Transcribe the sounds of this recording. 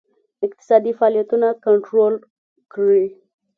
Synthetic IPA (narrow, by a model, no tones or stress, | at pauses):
ɪk̚t̪ɪ̥sɑd̪ifɑlijat̪unakaɳʈɾol | kɽi